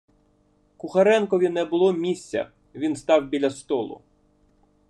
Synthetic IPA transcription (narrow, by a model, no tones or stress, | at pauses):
kʊxɐɾɛnkɔʋʲinɛbʊlˠɔmʲisʲt͡sʲɐ̰ | ʋʲinst̪ɑwbʲilʲɐst̪ɔlˠʊ̰